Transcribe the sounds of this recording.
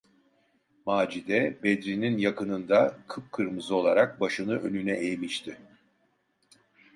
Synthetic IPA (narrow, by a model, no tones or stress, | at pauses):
maːd͡ʒid̪ɛbed̪ɾininjakʰɯnɯnd̪akʰɯp̚kʰɯɾmɯzɯo̞lˠaɾak̚baʃɯnɯʔø̞̰nynɛʔejmiʃt̪ʰɪ